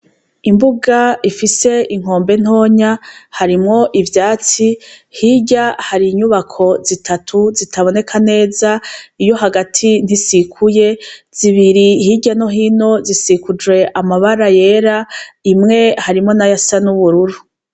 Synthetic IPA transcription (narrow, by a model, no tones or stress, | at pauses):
imbuɡaifise̞iŋ̥o̞ːmbe̞n̥ho̞ːɲahaɾimŋo̞ʔivjaːt͡sihiɟahaɾiɲuβakʰo̞zitʰatʰuzitʰaβo̞ne̞kʰane̞ːzaijo̞ɦaɡatʰin̥isikʰuje̞z̥iβiɾihiɟano̞ɦiːno̞zisikud͡ʒwe̞ʔamaβaɾaje̞ɾaimŋe̞haɾimŋo̞najasanuβuɾuɾu